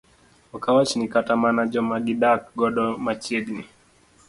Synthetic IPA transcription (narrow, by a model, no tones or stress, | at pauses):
ɔkawat͡ʃinikatamanad͡ʒɔmaɡiɗak̚ɡɔɗɔmat͡ʃɛdni